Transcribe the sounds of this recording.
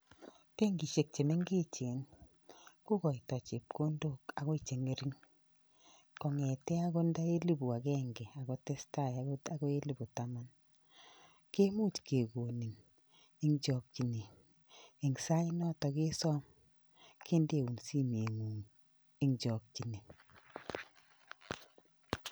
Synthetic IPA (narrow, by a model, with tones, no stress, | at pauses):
pe˦ŋɡi˨ʃe˨k̚t͡ʃe˨me˦ŋɡe˦t͡ʃe˨˦n | ko˦kɔ˨i˨tɔ˨t͡ʃe˨p̚kʰo˦ndo˦ka˨ɣɔ˦i˨t͡ʃe˨ŋe˨˦ɾi˦ŋ | kɔ˨ŋɛ˨tɛ˦a˦ɡo˦nda˦e˦li˦bu˨a˨ɡɛ˦ŋɡɛ˨a˨ɡɔ˦tɛ˦sta˦˨a˨˦ɡo˦a˦ɡɔ˦e˦li˦bu˨ta˨ma˦n | ke˦mu˦t͡ʃke˨ko˨ni˨n | i˦ŋd͡ʒɔ˨k̚t͡ʃi˨niː˨ | ŋsa˦i˦nɔ˦tɔ˨ke˦sɔ˦m | kʰe˦nde˦˨wu˨nsi˦m˨e˨ŋu˨ŋ | i˦ŋd͡ʒɔ˨k̚t͡ʃi˨ne˨